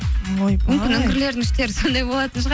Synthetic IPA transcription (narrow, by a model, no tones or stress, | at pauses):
mʏmʲɪnɵŋɡʲɪɾle̞ɾd̪ɪŋɪʃt̪e̞ɾɪso̞nd̪ɑjbo̞lˠɑt̪ənʃəʁ